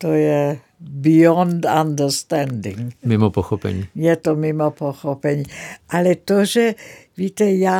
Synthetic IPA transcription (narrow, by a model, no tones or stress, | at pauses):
t̪ojɛ | biɔnd̪and̪əɾst̪ɛnd̪ḭŋmimɔpɔxɔpɛ̰ɲiːjɛt̪omimɔpɔxɔpɛɲiʔalɛt̪oʒɛʋit̪ɛja